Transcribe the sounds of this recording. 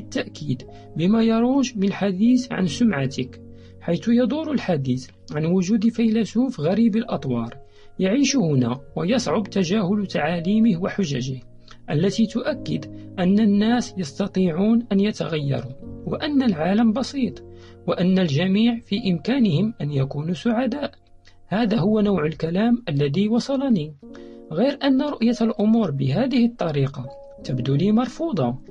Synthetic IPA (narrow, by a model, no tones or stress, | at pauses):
t̪ːaʔkiːd̪ | bɪmaːjɑɾˤuːʒmɪnlħad̪iːθʕa̰nsʊmʕat̪ɪk | ħajt̪ʊjɑd̪ˤʊːɾˤʊlħad̪iːθ | ʕanwʊʒuːd̪fajlasuːfɣaɾiːbalʔɑt̪ˤwɑːɾˤ | jaʕiːʃʊhʊnaːwajɑsˤʕʊbt̪aʒaːhʊlt̪aʕaːliːmɪhwaħʊʒaʒɪh | ʔalːat̪iːt̪ʊʔakːɪd̪ʔænːanːæːsjɑst̪ɑt̪ˤiːʕuːnʔanjat̪a̰ɣajːɑ̰ɾˤuːwa̰ʔanːalʕaːlambɑsˤiːt̪ˤ | waʔanːalʒamiːʕfiʔɪmkaːnɪhɪmʔanjakuːnuːsʊʕad̪aːʔ | haːd̪aɦʊwːanawʕʊlkælaːmʔalːæðiːwɑsˤɑlɑniːɣijɾʔanːaɾˤʊʔjalʔʊmuːɾbɪɦaːd̪ɪhɪt̪ˤːɑɾiːqɑ | t̪abd̪uːliːmɑɾˤfuːd̪ˤɑ